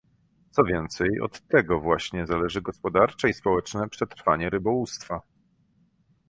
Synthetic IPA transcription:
t̪sɔvʲjɛnt̪sɛjɔ̰t̪ːɛɡɔvwaɕɲɛzalɛʐɘɡɔspɔd̪aɾt͡ʂɛispɔwɛt͡ʂnɛpʂɛt̪ɾfaɲɛɾɘbɔwust̪fa

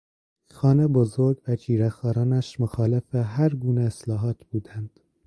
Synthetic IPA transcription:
xɒːnebozoɾɡvæd͡ʒiːɾæxɒːɾɒːnæʃmoxɑːlefeɦæɾɡuːneeslɒːɦɒːt̪ʰb̥uːd̪ænd̪̥

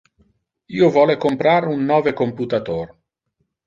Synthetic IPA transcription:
iːovɔːlekompɾaɾunːɔːvekomput̪at̪oːr

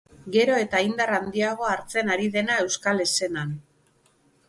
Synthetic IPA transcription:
ɡe̞ɾo̞e̞t̪aind̪arand̪iaɣ̞o̞aɾt͡se̞naɾiðe̞nae̞wskale̞se̞nan

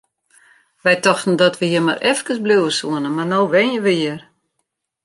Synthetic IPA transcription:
ʋɛjtɔxtn̩dɔtʋəhiərma̰ɾʔɛfkəsbluwəsuənəmarnoːʋɪnjəʋəjir

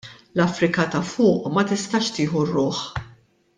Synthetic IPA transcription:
lɐfɾɪkɐt̪ɐfʊːʔmɐt̪ɪst̪ɐʃt̪ɪːħurːʊːħ

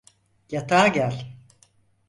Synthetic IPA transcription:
jat̪ʰaːɟælʲ

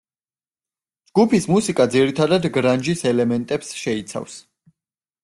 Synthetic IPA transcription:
d͡ʒɡupʰismusikʼad̪ziɾit̪ʰad̪ad̪ɡɾand͡ʒisɛlɛmɛnt̪ʼɛpsʃɛit̪sʰa̰fs

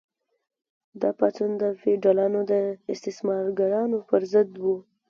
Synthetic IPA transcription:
d̪ɑpat͡sund̪əfeɖalɑnod̪əɪst̪ɪsmɑɾɡaɾɑnopəɾzəd̪wu

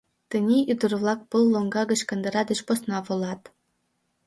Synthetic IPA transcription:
t̪ə̆nʲeʔyd̪ə̆rβlˠɑk̚pəlˠːoŋɡɑɣə̆t͡ɕkɤ̆nd̪ɤ̆ɾɑd̪ə̆t͡ɕposnɑβŏlɑt̪

